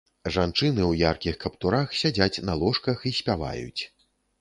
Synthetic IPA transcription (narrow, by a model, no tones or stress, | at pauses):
ʐant͡ʂɨnɨwjarkʲixkɐpt̪uɾaxsʲad͡zʲat͡sʲnɐlˠɔʂkɐxisʲpʲava̰jṵt͡sʲ